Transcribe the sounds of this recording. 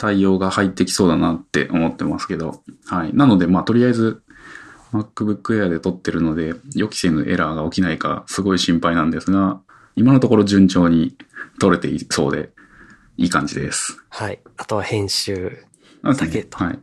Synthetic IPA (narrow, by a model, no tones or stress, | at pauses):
t̪aio̞ːɡahait̪ːe̞kʲi̥so̞ːd̪anat̪ːe̞̰ʔo̞mo̞t̪ːe̞masɨ̥ke̞d̪o̞̰hainano̞d̪e̞maːt̪o̞ɾʲiaizɨ | makːɯ̟bɯ̟kːɯ̟e̞ad̪e̞t̪o̞t̪ːe̞ɾɯ̟no̞d̪e̞jo̞kʲi̥se̞nɯʔe̞ɾaɡao̞kʲinaika̰sɨɡo̞iɕĩmpainãnd̪e̞sɨɡa | imano̞t̪o̞ko̞ɾo̞ʑɨ̃ɲt͡ɕo̞ːɲ̟it̪o̞ɾe̞t̪e̞̰iso̞̰ːd̪e̞̰ | iːkãɲ̟d͡ʑid̪e̞̰sɨ̥haiat̪o̞βahẽ̞ɰ̃ɕɨː | ket̪haḭ